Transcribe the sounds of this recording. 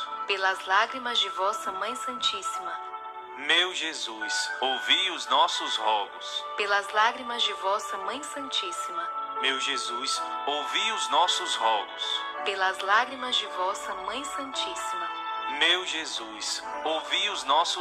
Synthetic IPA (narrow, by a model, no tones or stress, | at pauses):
pelɐzlaɡɾimɐzd͡ʒɪvɔsɐmɐ̃j̃sɐ̃nt͡ʃisimɐ | mewʒezusowviʊznɔsʊzhɔɡʊspelɐzlaɡɾimɐzd͡ʒɪvɔsɐmɐ̃j̃sɐ̃nt͡ʃisimɐmewʒezusowviʊznɔsʊzhɔɡʊs | pelɐzlaɡɾimɐzd͡ʒɪvɔsɐmɐ̃j̃sɐ̃nt͡ʃisimɐ | mewʒezusowviʊznɔsʊ